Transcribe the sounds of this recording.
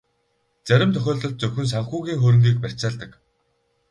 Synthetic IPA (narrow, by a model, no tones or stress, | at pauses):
t͡sæɾʲɪ̆mt̪ʰœxʲɔːɮt̪ɞ̆ɬt̪̚t͡sɵxʲɵ̆ns̬aɴ̆xuːɣʲiːŋxɵɾɘ̆ŋɡ̪iːk̚pær̥ʲt͡saːɮt̪ə̆k